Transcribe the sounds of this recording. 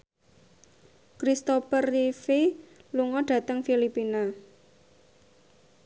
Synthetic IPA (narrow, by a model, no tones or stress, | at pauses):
kɾist̪opərifeluŋɔɖ̥ä̤t̪əŋfilipina